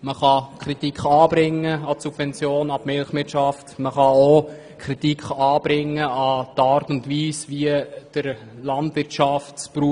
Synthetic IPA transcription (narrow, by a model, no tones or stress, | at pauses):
məχɑkʰɾit̪ikχɑːb̥ɾɪŋːəɑtsubvɛnt͡sjoːnɑpmɪlχʋɪtʃɑftməχɑo | kʰɾitikχɑːb̥ɾɪŋːəɑt̪ɑːɾtʊntʋiːsʋiəd̥əɾ | lɑntʋɪɾtʃɑftspɾuː